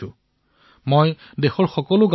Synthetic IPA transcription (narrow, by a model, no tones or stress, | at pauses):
ʊ̃ | moj | dexɔɹxɔkɔlʊɡa